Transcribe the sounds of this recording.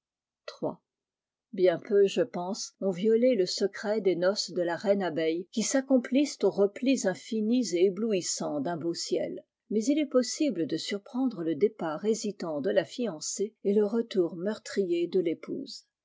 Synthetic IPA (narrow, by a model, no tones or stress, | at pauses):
t̪χwa̰ | bjɛ̃pøʒəpɑ̃sɔ̃vjɔleləsəkχɛd̪enɔsd̪əlaʁɛnabɛjkʲisakɔ̃plist̪oʁəplizɛ̃finizeebluisɑ̃d̪ɛ̃bosjɛ̰l | mɛzilɛpɔsibləd̪əsyʁpχɑ̃d̪ʁələd̪epaʁezit̪ɑ̃d̪əlafiɑ̃seeləʁət̪uːʁmœʁt̪χijed̪əlepṵːz